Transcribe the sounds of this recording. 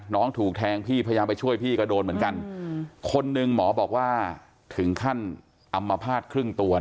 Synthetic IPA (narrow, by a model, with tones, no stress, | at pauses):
nɔː˦˥ŋt̪ʰuː˨˩k̚t̪ʰɛː˧ŋpʰiː˥˩a˧ja˧jaː˧mpa˧jt͡ɕʰu˥˩əjpʰiː˥˩ka˧˩doː˧nmɯ˩˦ənka˧nkʰo˧nːɯ˧ŋmɔː˩˦bɔː˨˩k̚waː˥˩ | t̪ʰɯ˩˦ŋkʰa˥˩n | ʔa˧mːa˧pʰaː˥˩t̪̚kʰɾɯ˥˩ŋt̪u˧ɐ